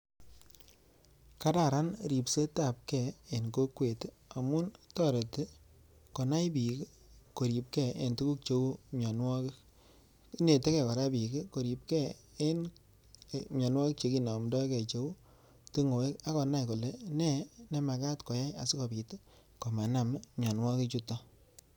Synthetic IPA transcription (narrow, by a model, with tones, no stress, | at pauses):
ka˦da˨ɾa˦nɾi˨pse˦ta˨p̚kɛ˨e˨nko˦kwe˨t | a˨mʊ˦ntɔ˦˨ɾe˨te˦ | kɔ˨na˦jbi˨k | ko˨ɾi˨p̚kɛ˦˨ʔe˨ntu˦ku˦k̚t͡ʃo˦u˦mɔ˨nwɔ˦k | ne˨te˦kɛ˨kɔ˨ɾa˦bi˨ki˦ko˨ɾi˨p̚kɛ˦ | e˦n | mɲɔ˨nwɔ˦kk̚t͡ʃe˧ki˨nɔ˨mdɔ˦kɛ˨t͡ʃe˦u˦ | ti˦ŋo˨e˦ka˦kɔ˨na˦jko˨le˨nɛ˦˨nɛ˨ma˨ka˦tkɔ˨ja˦ja̰˨sɪ˦kɔ˨pi˨t | ko˨ma˨na˨mmɲɔ˨nwɔ˦ki˦t͡ʃu˦tɔ˦